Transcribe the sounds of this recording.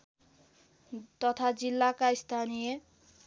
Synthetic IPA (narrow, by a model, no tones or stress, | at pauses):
t̪ʌt̪ʰad͡zilːakaist̪ʰanije